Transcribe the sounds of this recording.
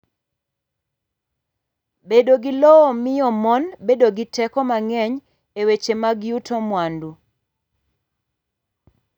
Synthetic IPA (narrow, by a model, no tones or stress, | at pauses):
bedoɡɪlɔɔmɪjɔmɔnbedoɡɪtɛkɔmaŋɛɲ | ewet͡ʃemaɡjutɔmwandu